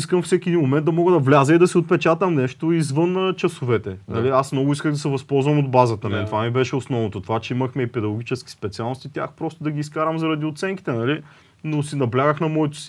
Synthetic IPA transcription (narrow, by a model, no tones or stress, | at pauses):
iskəmfsɛkʲid̪inmomɛnd̪ɐmɔɡəd̪ɐvlʲazəid̪ɐsiot̪̚pɛt͡ʃat̪əmnɛʃt̪oizvɤnt͡ʃɐsʊvɛt̪ɛnɐliasmnɔɡʊiskəɣd̪ɐsɛvɐspɔlˠzvɐmod̪bazət̪ɐnɛt̪ovamibɛʃɛosnɔvnot̪ot̪ovat͡ʃɛiməxmɛipɛd̪ɐɡʊɡʲit͡ʃɛskʲi̥spɛt̪sialˠnost̪it̪ʲja̰xpɾɔst̪ʊd̪ɐɡʲiːskaɾəmzɐɾɐd̪iʊt̪sɛŋki̥t̪ɛnɐli | nosinɐblʲaɡəxnɐmɔɛt̪ʊ̥si̥